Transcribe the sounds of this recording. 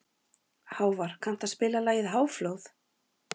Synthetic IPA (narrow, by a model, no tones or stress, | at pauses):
haːwvaɾ̥kʰan̥t̪aðspɪːlalaːjɪðɦaːwfloːwθ